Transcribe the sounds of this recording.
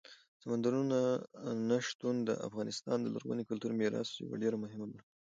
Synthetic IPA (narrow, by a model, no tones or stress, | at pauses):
samand̪aɾunanaʃt̪und̪ə̰ʔa̰fɣɑnɪst̪ɑnd̪əla̰ɾwa̰nikʊlt̪uɾmeɾɑ̰sja̰wa̰ɖeɾamʊɦɪmabaɾ